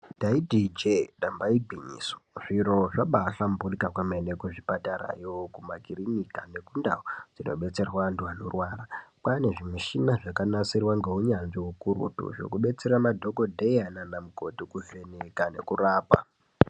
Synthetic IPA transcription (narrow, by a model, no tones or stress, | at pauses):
daidʱid͡ʒeɗambaiɡʱiɲḭːso̥ʐ̥iɾoʐaɓaɬamburikakwamenekuʐipataɾa̰jokumakirinikane̞kundaod͡zino̞̰ɓe̞t͡se̞rwandwanurwaːrapane̞ʐimiʃinaʐakanasirwaŋɡeuɲanʐiɦukuɾṵtṵʐo̞̰kuɓe̞t͡se̞ɾamadʱo̞ko̞dʱejananamuko̞tikuve̞nekane̞̰kuraːpa̰